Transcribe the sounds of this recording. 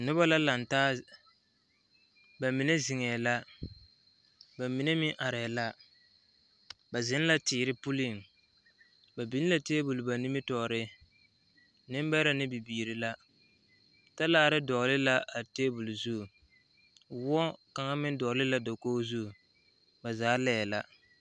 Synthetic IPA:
nʊ˦ba˦la˦la˨ntaː˦ | ba˨mi˨ne˦zɪ˨ŋɛː˨la˦ | ba˨mi˨ne˦mɪ˦ʔa˨ɾɛː˨la˦ | ba˨zɪ˦n˦la˦tɪː˨ɾɪ˦pu˦li˦˨ŋ | ba˨bi˦la˨teː˦bu˨lʊ˨ba˨nɪ˦mɪ˦tɔ˨ɾɪ˦ | nɪ˦mba˦ɾa˦nɪ˦bi˨biː˨ɾɪ˨la˦ | ta˦laː˨˦˨ɾɪ˦dɔ˨lɪ˦la˦ʔa˨teː˦bu˨lzu˦˨ | wɔ˦ka˨ŋa˦mɪ˦n˦dɔ˨lɪ˦la˦do˨koː˦zu˦˨ | ba˨zaː˨˦lɛː˦˨la˦

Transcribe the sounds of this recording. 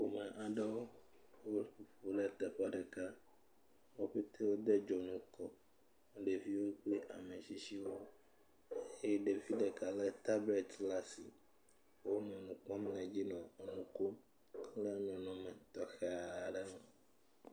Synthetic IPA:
xo˨mẽ˨ʔa˨ɖɛ˦wo˦ | wo˦ɸu˨ɸo˨lɛ˦t̪ɛ˨ɸa˦ɖɛ˨ka˦ | wo˦ɸe˦t̪e˦wo˦d̪e˦d͡ʒɔ˨nũ˨kɔ˨ | ɖe˨vi˦wo˦k͡ple˦ʔa˨mẽ˨si˦si˦wo˦ | e˦je˦ɖe˨vi˦ɖe˨ka˨le˦t̪a˦bɛ˨t̪la˦si˨ | wo˦nɛ̃˨nũ˨k͡pɔ̃˦m˦nɛ̃˨d͡ʑi˦nɔ̃˨e˨nũ˨ko˦ | kle˦a˨mɛ̃˨nɔ̃˨mɛ̃˨t̪ɔ˨xɛ˨a˨ɖɛ˦mɛ̃˨

